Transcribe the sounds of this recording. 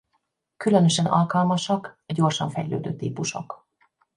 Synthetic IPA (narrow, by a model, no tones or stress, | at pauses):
kylø̞nø̞ʃɛnɒ̰lkɒlmɒʃɒkɟo̞rʃɒɱfɛjlø̰ːd̪ø̰ːt̪iːpuʃo̰k